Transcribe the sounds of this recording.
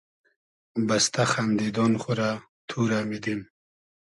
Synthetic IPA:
bast̪aχand̪id̪ɔnχʊɾa | t̪ʰuɾamid̪im

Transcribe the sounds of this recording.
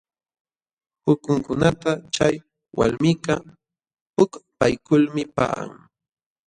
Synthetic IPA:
hʊkʊŋkʊnat̪at͡ʃaj | wa̰lmɪka | hʊkpajkʊlmɪpa̰a̰ŋ

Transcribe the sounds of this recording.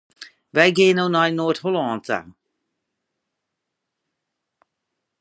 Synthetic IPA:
vɛjɡeːnownajnoːthʊlɔnta̰

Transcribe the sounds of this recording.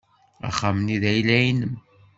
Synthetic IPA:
a̰χamniðæjlæjinəm

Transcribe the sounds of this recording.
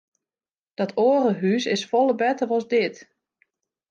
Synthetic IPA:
d̥ɔtʰoːərəɦysɪsfɔlˠəbɛtərɔzdɪt

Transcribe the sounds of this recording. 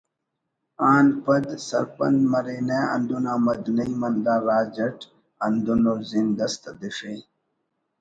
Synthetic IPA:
aːnpɐd̪sɐ̰ɾpɐ̰nd̪mɐɾiːneɐ̰nd̪unaːmɐd̪nɐjmɐnd̪aːɾaːd͡ʑɐʈ | ɐnd̪unozind̪ɐst̪ɐd̪iʂe

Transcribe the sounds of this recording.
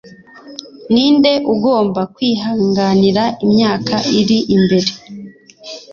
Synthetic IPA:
niːnde̞ʔuɡo̞ːmbakwiːɦaːŋɡaniɾaimɲaːkʰaʔiɾiʔimbe̞ɾe̞

